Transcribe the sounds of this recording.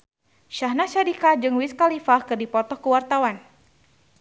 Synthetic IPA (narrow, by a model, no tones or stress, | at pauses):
ʃahnaʃadikad͡ʒɨŋwiskalifahkɨrdipɔt̪ɔhkəwart̪awan